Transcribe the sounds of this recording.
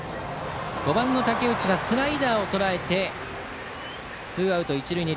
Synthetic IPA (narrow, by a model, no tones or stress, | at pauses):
ɡ̥o̞bãnːo̞t̪ake̞ɯ̟t͡ɕiɡasɨɾaid̪aːo̞t̪o̞ɾae̞t̪e̞ | sɨːaɯ̟t̪o̞it͡ɕiɾɯ̟iɲ̟i